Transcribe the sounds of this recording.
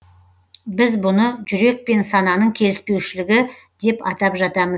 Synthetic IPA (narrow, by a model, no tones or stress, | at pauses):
bɪzbʊnəʒʏɾe̞k̚pe̞nsɑnɑnəɴkʲʰe̞lɪspe̞wʃɪlɪɡʲɪ | d̪̥e̞pɑt̪ɑpʒɑt̪ɑməz